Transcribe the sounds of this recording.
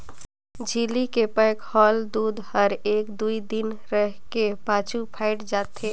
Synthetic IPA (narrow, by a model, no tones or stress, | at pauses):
d͡ʒʱilikepəɪkhɔːld̪ud̪həɾeːkd̪uid̪inɾəɦkepat͡ʃʰupʰaɪʈd͡ʒaːt̪ʰe